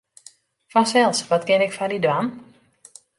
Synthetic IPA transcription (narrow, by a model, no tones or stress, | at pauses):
fɔnsɛlˠsʋɔtkɪnɪkfɔndidwan